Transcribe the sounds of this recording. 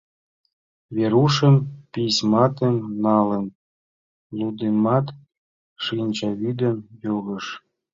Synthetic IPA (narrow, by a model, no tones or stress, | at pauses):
βeɾuʃə̆mpismɑt̪əmnɑlə̆n | lud̪emɑt̪ | ʃinʲt͡ɕɑβid̪ə̆mjoɣə̆ʃ